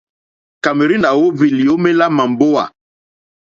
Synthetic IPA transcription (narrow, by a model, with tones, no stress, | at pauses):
ka˨me˨ɾi˦na˨wo˦vi˨li˨jo˦me˦la˦ma˨mbo˦wa̰˨